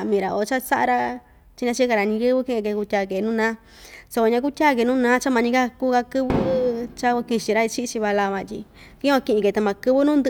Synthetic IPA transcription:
mĩ˧ɾa˨o˧t͡ʃa˦sa˦ʔa̰˧ɾa˦ | t͡ʃi˧ɲã˧t͡ʃi˦ka˧ɾa˨nĩ˧jɨ˦βɨ˦kĩ˦ʔke˧ku˧tʲa˧˨ke˨nũː˦nãː˦ | so˧kʷa˧ɲã˧k̬u˦t̪ʲa˦˨k̬e˨˧nũː˦nãː˦t͡ʃa˦mã˧ɲĩ˧ka˦kuː˦ka˧kɨ˦βɨ˦t͡ʃa˦kki˧t͡ʃi˧ɾa˦i˧t͡ʃi˦˧t͡ʃi˧βa˧la˧βã˧t̪ʲi˧kĩ˦ã˧kĩ˧ʔĩ˧ke˧t̪a˧mã˧kɨ˧βɨ˦nũ˦nd̪ɨ˧

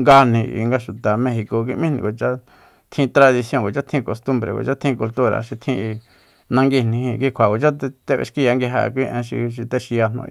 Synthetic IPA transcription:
ŋɡa˧n̥ĩ˧ʔḭ˧ŋɡa˧ʃu˨t̪a˨mẽ˧xi˧ko˨k̬i˧ʔmĩ˦nḭ̃˧˨ko˨t͡ʃa˦ | t̪ʰĩ˧t̪ɾa˧ði˧sjõ˧ŋ˨ɡo˨t͡ʃa˦t̪ʰĩ˧ko˨st̪u˧mbɾḛ˨ko̰˧˨t͡ʃa˦t̪ʰĩ˧ku˧lt̪u˦ɾa̰˧˨ʃi˧t̪ʰĩ˧ | nã˧ŋɡi˧nĩ˧hĩ˧ki˧kʷʰa˨ko˨t͡ʃa˦t̪e˧t̪e˧βḛ˧ʃki˦˧ja˧ŋɡi˧ɦa̰˧k̬ʷi˦ʔḛ̃˧ʃ̬ḭ˧ʃ̬i˧t̪e˧ʃi˧ja˧n̥õ̰˧

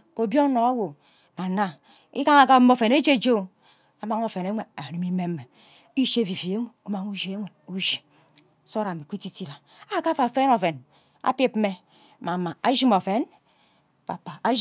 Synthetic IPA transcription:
o˨bjo˦ŋ˦no˨a˦wo˨ | na˨na˦ | ḭ˦ka˦ŋa˨ka˦mo˦fe˨ne˦d͡ʒe˦d͡ʒo˦˨ | a˨ma˦ŋo˨fe˨ne˦ŋʷe˨a˨ɾi˨mi˦me˦mː˦e˨ | i˦ʃe˦vi˨fi˨e˦ŋʷo˨o˦ma˨ŋu˦d͡ʒi˨˦e˦ŋʷe˨u˦ʒi˨˦ | so˦ɾa˨mi˨kʷi˦ti˦ti˦ɾa˨ | a˦ka˦fa˨fe˦no˨fe˨n | a̰˦pi˦pme˦˨ | ma˨ma˨a˦ʒi˦mo˨fe˨˦n | pa̰˨pa˨a˦

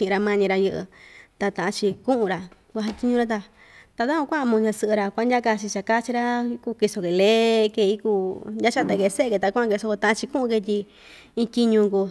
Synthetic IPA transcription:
t͡ʃĩ˧ɾa˧mã˧ɲĩ˧ɾa˧jɨ˧ʔɨ̰˧t̪a˧t̪ã˨ʔã˧t͡ʃi˧kũ˦ʔũ˧ɾa˧ | kʷa˧ɦa˧t̪ʲi˦ɲũ˧ɾa˧t̪̬a˧ | t̪a˧ða˦õ˧kʷã˦ʔmũ˧ɲã˧sɨ˧ʔɨ˧ɾa˧kʷa˧˦nja˦ka˧t͡ʃi˧t͡ʃa˨ka˦t͡ʃi˧ɾa˦ku˧ki˧so˧ke˨le˦˧ke˧i˦kuː˧nja˦t͡ʃa˦˧t̪a˧˨ke˧se˦˧ke˧t̪a˧kʷã˦a˧ke˧so˧ko˧t̪ã˧ʔã˦t͡ʃi˧kũ˦ʔũ˧ke˧t̪̬ʲi˧ | ĩ˧tʲi˧ɲũ˧ŋku˧

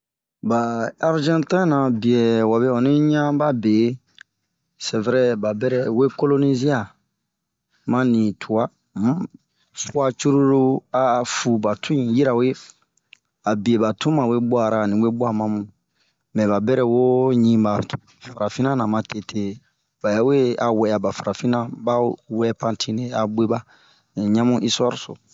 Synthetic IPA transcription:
ba˨a˦ɾd͡ʒɛ̃˦tɛ̃˦nã˨bi˨e˨wa˨be˦ɔ̃˨nĩ˦ɲã˦ba˦be˨˦ | sɛ˨vɛ˦ɾɛ˦ba˨bɛ˦ɾɛ˨we˦ko˦lo˦ni˦zi˦a˦˨ | mã˦nĩ˨tʰu˨a˦ | m˦ | su˦a˦t͡ʃu˦ɾu˦ɾu˦a˨fu˨ba˨tʰũ˦ĩ˨ji˦ɾa˨we˦ | a˨bi˨e˨ba˨tũ˦mã˨we˦bɔ˦a˨ɾa˨nĩ˨we˦bɔ˦a˦mã˦mũ˨ | mɛ̃˨ba˨bɛ˦ɾɛ˦wo˦ɲĩ˦ba˨ | fa˨ɾa˨fĩ˦nã˦nã˨mã˨te˨tʰe˦ | ba˨ja˦we˦a˨wɛ˨ja˨ba˨fa˨ɾa˨fĩ˦nã˦ba˦wɛ˦pã˦tʰĩ˦ne˨a˨be˦ba˦˨ | ɲã˦mũ˦ʔi˦sɔ˦ɾso̰˨

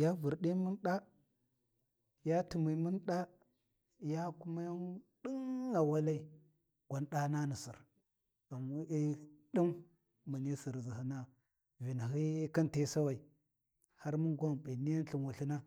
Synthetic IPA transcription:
ja˦vu˨ɾɗi˦mu˦nɗa˦ | ja˦tu˨mi˨mu˦nɗa˦ | ja˦ku˦ma˦ja˦nɗi˦ŋa˨wa˦la˦i˨ | ɡʷa˨nɗa˦na˦ni˨si˨ɾ | a˨mu˦i˦ɗi˦m | mə˨ni˦si˨ɾzi˨hi˦na˦ | vi˨n˨ɦi˦ka˦nte˦sa˦wa˨i˨ | ha˦ɾmu˦nɡʷa˦mbi˨ni˦ja˦n˦ɬi˨nwa˨ɬi˦na˦

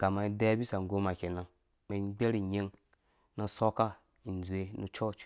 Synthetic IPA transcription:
ka˨ma˨i˦de˦bi˦sa˨ŋ˨ɡo˦ma˨kʲe˨na˨ŋ | me˨˦ɡ͡bʲe˦ɾi˨ɲe˦ŋ | na˨so˦ka˦ | i˨n˨d͡zu˨e˦nu˦t͡ʃo˦˨t͡ʃ

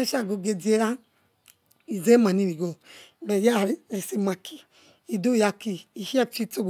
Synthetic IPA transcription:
ɛ˦ʃa˦˨ɡo˨˧ɡe˧di˨˦e˦ɾa˦ | i˨ze˦ma˨nĩ˧ɾi˨ɡo˨bɛ˨ja˦˨ɾɾi˨si˧ma˨ki˨ | i˨do˦˨ja˧ki˨i˨hi˦a˦t͡ʃi˦to˦ɡ

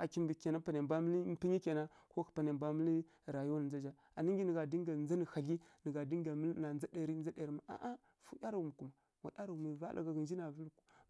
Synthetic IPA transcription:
a˨ki˦mbi˨ke˨na˦pa˨ne˨mba˦mə˦li˦pi˦ɲi˦ke˨na˦ko˦kpa˨ne˨mba˦mə˦li˦˨ | ɾa˨ju˦wa˦n˨nza˦d͡ʒa˦ | a˨ni˦ŋ˦ɡi˦ni˨ɡa˨di˦ŋ˦ɡa˨nd͡za˦ni˨xa˨ɮi˦nə˨ɡa˨di˦ŋɡa˨mə˦lna˨nd͡za˦de˨ɾi˦nd͡za˦de˨ɾi˨ma˨a̰˨ʔa˦ | fu˦ja˦ɾa˨u˨mi˨ku˨ma˨ | wa˨da˦ɾa˨u˨mi˨va˦lʔa̰˨ɡa˨ɡə˨nd͡ʒi˦na˨vi˦lku˦

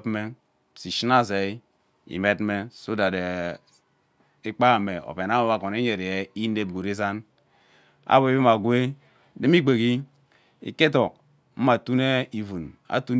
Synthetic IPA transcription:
me˦ | si˨ʃi˦na˦ze˨i˦ | ḭ˨me˦tme˦so˦da˨de˨ | i˦k͡pa˦˨me˨o̰˨pe˨na˦o˦βa˨ko˨ne˦ɲe˨ɾe˨je˦i˦ne˦bɡo˨ɾi˦za˦n | a̰˦bo˨i˦bi˦ma˨ɡwe˦ | de˦m˦i˦k͡pe˨ɡi˦ | ḭ˨ke˦to˨k̚ | m̩˦ma˨tu˦ne˦i˨vu˨na̰˨tu˦n

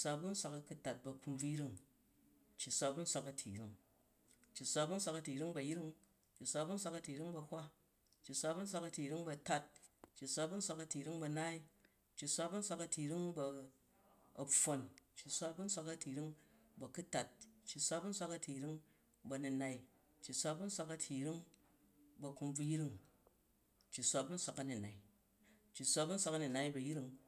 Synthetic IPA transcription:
sʷa˧bu˦n̩˦sʷa˧kɐ˧ku˦ta˨t̚bɐ˧ku˧mb͡vu˦jɾi˦ŋ | t͡ʃːi˨sʷa˧bu˦n̩˦sʷa˧kɐ˧tʰḭ˨ɾi˦ŋ | t͡ʃːi˨sʷa˧bu˦n̩˦sʷa˧kɐ˧ti˨ɾi˦ŋbɐ˨jɾi˦ŋ | t͡ʃːi˨sʷa˧bu˦n̩˦sʷa˧˦kɐ˧ti˨ɾi˦ŋbɐ˧hʷa˦ | t͡ʃːi˨sʷa˧bu˦n̩˦sʷa˧kɐ˧ti˨ɾi˦ŋbɐ˧ta˦t̚t͡ʃːi˨sʷa˧bu˦n̩˦sʷa˧kɐ˧ti˨ɾi˦ŋbɐ˧na˦i˦ | t͡ʃːi˨sʷa˧bu˦n̩˦sʷa˧kɐ˧ti˨ɾi˦ŋbɐ˧ | ɐ˨fo˧nt͡ʃːi˨sʷa˦bu˦n̩˦sʷa˧kɐ˧tʰi˨ɾi˦ŋbɐ˨ku˦ta˨t̚t͡ʃːi˨sʷa˧bu˦n̩˦sʷa˧kɐ˧tʰʲi˨ɾi˦ŋ | bɐ˧ni˧na˨i˦ | t͡ʃːi˨sʷa˧bu˦n̩˦sʷa˧kɐ˧tʰi˨ɾi˦ŋ | bɐ˧ku˧mb͡vu˧ji˦ɾi˦ŋ | t͡ʃːi˨sʷa˧bu˦n̩˦sʷa˧kɐ˧ni˨na˨i˨ | t͡ʃːi˨sʷa˧bu˦n̩˦sʷa˧kɐ˧ni˨na˧i˦bɐ˨ji˦ɾi˧ŋ

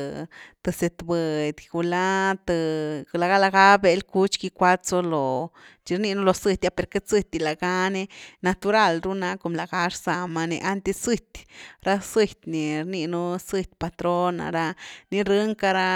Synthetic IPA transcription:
t̪ɨ˨se˨t̪bɨ˨d̪ʲɡu˨la˦t̪ɨ˧la˨ɡa˦la˧ɡa˦be˧lku˧t͡ʃki˧kʷa˦t͡so˧lo˨t͡ʃi˧ɾni˧nu˦lo˨sɨ˧t̪ʲja˦pe˨ɾke˦t͡sɨ˦˧t̪ʲi˧˨la˨ɡa˦ne˦na˧t̪u˧ɾa˧˨lɾu˦na˧˦ko˨mla˨ɡa˧˦ʂsa˨ma˧nḛ˧ʔa˦nt̪e˧sɨ˧t̪ʲɾa˦sɨ˧t̪ʲni˨ɾni˧nu˦sɨ˧t̪̚ʲpa˧t̪ɾo˦na̰˨ɾa˧ni˦ɾɨ˦ŋka˧ɾa˧

